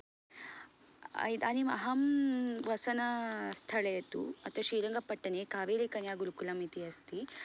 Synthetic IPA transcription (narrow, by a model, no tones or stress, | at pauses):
ɐ̰jd̪aːnimɐ̰ɦɐmʋɐsɐnɐst̪ʰɐɭɐjɐt̪ṵɐt̪ʋɐʃiːɾɐŋɡɐpɐʈːɐnekaːʋeːlekɐnjaːɡuɾukulɐmit̪iɐst̪i